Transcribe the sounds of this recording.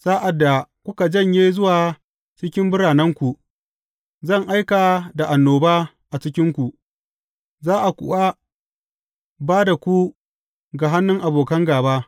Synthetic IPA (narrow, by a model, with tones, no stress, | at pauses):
saː˦ʔa˨dːa˨kʷʊ˦ka˨d͡ʒɐ˦˨ɲjeː˦zʊ˦waː˨ | t͡ʃɪ˦kʲɪ˦mbʊ˦ɽaː˨nɐ˦ŋkʷu˨ | zɐ˦˨ŋʔa˦jkaː˨da˨ʔa˨nːoː˨baː˦ | ʔa˨t͡ʃɪ˦kʲɪ˦ŋkʷu˨ | zaː˦ʔa˨kʷʊ̰˨ʔa˦ | baː˦da˨kʷu˦ | ɡa˨ɦa˦nːʊ˦ŋʔa˨boː˨kɐ˦ŋɡaː˨baː˦